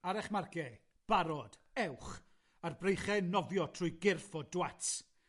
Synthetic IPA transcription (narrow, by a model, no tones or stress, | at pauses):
aɾɛχmarkɛ | b̥aɾɔd̥ɛwχ | arbrejχɛnɔvjɔtʰrʊjɡɪrfɔdwat